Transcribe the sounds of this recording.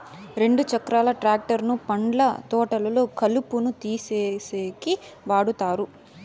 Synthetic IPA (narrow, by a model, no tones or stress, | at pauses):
ɾe̞ɳɖut͡ʃɐkɾaːlɐʈɾaːk̚ʈɐɾnupɐɳɖlɐt̪ɔːʈɐlɐlo̞ːkɐlupunut̪iːseːseːkiʋaːɽut̪aːɾu